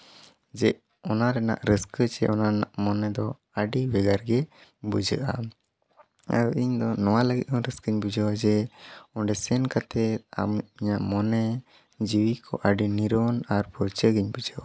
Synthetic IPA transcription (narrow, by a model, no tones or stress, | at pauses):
d͡ʒɛʔ | ɔnaɾɛna̰ʔɾəskət͡ʃɛʔɔnaɾɛnaʔmɔnɛd̪ɔ | əɖibɛɡaɾɡɛbud͡ʒəʔa̰ | a̰ɾuiɲd̪ɔnɔwaləɡit̪̚kʰɔɾəskəɲbud͡ʒəwad͡ʒɛɔɖɛsɛnkat̪ʰɛt̪̚a̰miɲaʔmɔnɛ | d͡ʒiwikʰɔ̰ʔəɖiniɾɔnaɾpɔɾt͡ʃəɡiɲbud͡ʒəwa